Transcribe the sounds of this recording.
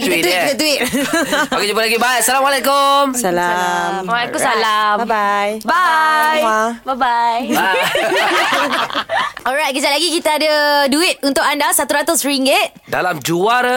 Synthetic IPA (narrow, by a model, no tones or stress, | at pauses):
kit̪əwit̚kit̪ət̪uit̪̚ | akad͡ʒubalaɡibajasalamalekomsalamwakusalamajbajababaja | ɔlɹajt̚kəd͡ʒaʔlaɡikit̪aadəduɪt̪̚unt̪ʊkandasat̪uɾat̪ʊsɹiŋɡet̚ | da̰lamd͡ʒuaɾ